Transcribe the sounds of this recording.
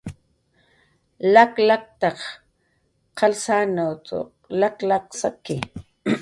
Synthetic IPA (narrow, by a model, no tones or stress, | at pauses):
laklak̚t̪ɑq | qʰɑlsanawt͡so̰ | laklaksakɪ